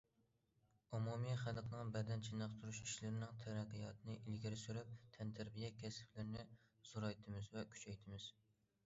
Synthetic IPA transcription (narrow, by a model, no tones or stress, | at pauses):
umumijχælqʰnɨŋbɛd̪ɛnt͡ʃʰinɑqt̪ʰuɾuʃiʃlɪɾɪnɪŋt̪ʰæɾæqːijɑt̪ʰɨnɨʔilɡʲiɾɪsyɾyp̚t̪ʰɛnt̪ʰæɾbijɛkʲʰɛsɪ̥plɪɾnɪz̥uɾɑjt̪ʰɨmɪzvɛkʲʰy̥t͡ʃʰɛjt̪ʰɪmɪz̥